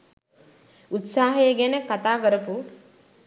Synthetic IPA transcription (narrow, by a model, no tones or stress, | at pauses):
ut̪saːɦɐjeɡenekɐt̪aːkəɾɐpu